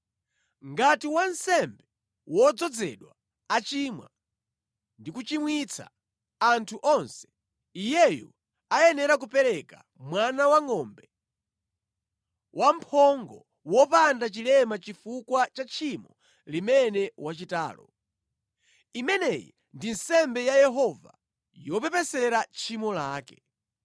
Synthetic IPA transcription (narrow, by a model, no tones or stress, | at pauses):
ŋɡatiwansɛmbɛ | wɔd͡zɔd͡zɛ̰ɗwa | at͡ʃiːmwa̰ | ndikut͡ʃimwit͡sʰa̰ | antʰuʔɔnsɛ̥ | ijɛju | ajɛnɛɾak̬upɛɾɛka̰ | mwanawaŋɔːmbɛ | wʔam̩pʰɔŋɡɔ̰ | wɔpandat͡ʃilɛmat͡ʃifukwat͡ʃat͡ʃʰimɔ | limɛnɛwat͡ʃita̰ːlɔ̰ | imɛnɛjḭ | ndin̩sɛmbɛjajɛɦɔva̰ | jɔpɛpɛsɛɾat͡ʃʰimɔlaːkɛ